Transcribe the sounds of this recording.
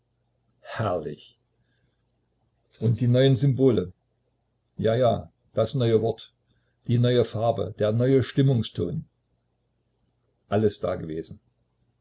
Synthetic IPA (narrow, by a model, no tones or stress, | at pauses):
hɛɐlɪ̰ç | ʔʊntd̥iːnɔʏənzʏmboːlə | jaːjaː | d̥asnɔʏəvɔɐt | d̥iːnɔʏəfaɐbə̰d̥eːɐnɔʏəʃtɪmʊŋstʰoːn | ʔaləsd̥a̰ːɡəveːzn̩